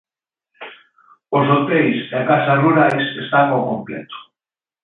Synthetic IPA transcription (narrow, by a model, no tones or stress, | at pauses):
osot̪ejseakasaruɾajsest̪aŋokomplḛt̪o̥